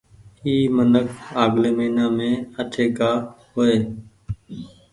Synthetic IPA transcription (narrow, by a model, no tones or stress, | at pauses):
iːmənəkʰaːɡleːməiːnaːmẽːəʈʰeːkaːhoːeː